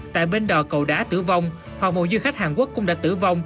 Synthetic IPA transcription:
t̪a̰ː˧˨jɓe˧nɗɔ˨˩kə˨˩wɗaː˨˦t̪ɨ̰˧˩va˧wŋ͡m | hwa˨˩k̚mo̰˨˩zɨ˧jxa˦˥k̚haː˨˩nku˦˥əkːʊ̰˧˥ŋ͡mɗa̰ː˧˥t̪ɨ˧˩va˧wŋ͡m

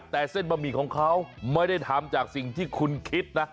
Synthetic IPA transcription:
t̪ɛː˨˩se˥˩nbaː˧miː˧˩kʰɔː˩˦ŋkʰa˦˥wma˥˩jda˥˩jt̪ʰa˨˧˦mt͡ɕaː˨˩k̚si˨˩ŋt̪ʰiː˥˩kʰu˧nkʰi˦˥t̪̚na˦˥

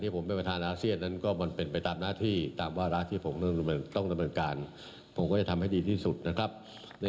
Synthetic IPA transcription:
ntʰiː˥˩pʰo˩˦mpe˧npɾa˧t̪ʰaː˧nʔaː˧˥si˥˩ənːa˦˥nkɔː˥˩ma˧npe˧npa˧jt̪aː˧mnaː˥˩t̪ʰiː˥˩t̪aː˧mwaː˥˩ɾa˦˥t̪ʰiː˥˩pʰo˩˦mt̪ŋ˧t̪ɔ˥˩ŋda˧mnɤː˧nkaː˧n | pʰo˩˦kɔː˥˩t͡ɕa˨˩t̪ʰa˧mɦa˥˩jdiː˧t̪ʰiː˥˩su˨˩t̪̚na˦˥kʰɾa˦˥p̚ | n˧

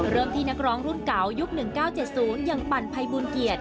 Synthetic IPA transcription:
ɾɤː˥˩mt̪ʰiː˥˩na˦˥k̚ɾɔː˦˥ŋɾu˥˩nka˩˦wju˦˥k̚nɯ˨˩ŋkaː˥˩wt͡ɕe˨˩t̪̚suː˩˦nja˧ŋpa˨˩npʰa˧jbuː˧nki˨˩ət̪̚

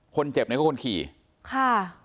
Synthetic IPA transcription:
kʰo˧nt͡ɕe˨˩p̚na˦kʰːkʰo˧nkʰḭː˨˩ | kʰa˥˩

